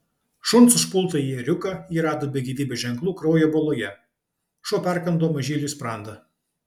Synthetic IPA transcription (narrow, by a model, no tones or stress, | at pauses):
ʃʊnt̪sʊʃpʊlˠt̪ɐiɛɾʲʊkɐiːɾɑːd̪oːbʲɛɡʲiːʋʲiːbʲɛʒʲɛŋklˠuːkɾɔʊjɛbolˠoːjɛ | ʃuːpʲæˑɾkɐnd̪oːmɐʒʲiːlʲiːspɾɑˑnd̪ɐ